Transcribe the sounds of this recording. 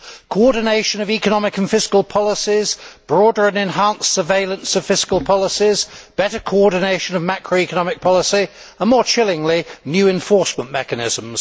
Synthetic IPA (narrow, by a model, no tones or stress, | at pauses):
kʰəɔːdⁿneɪʃə̃nəviˑkənɒmɪkə̃nfɪskəlˠpʰɒlɪsɪzb̥ɹɔːdəɹə̃nɛ̃nɦɑ̃nsəveɪlə̃nsəv̥fɪskəlˠpʰɒlˠɪsɪzb̥ɛɾəkʰəʊɔːdⁿn̩eɪʃə̃nəvmakʰɹəʊikənɒmɪk̚pʰɒlˠɪsi | ə̃nmɔːt͡ʃʰɪlɪ̃ŋlinjʉːɛ̃ɱfɔˑɹsmə̃nmɛkənɪ̰zə̃mz̥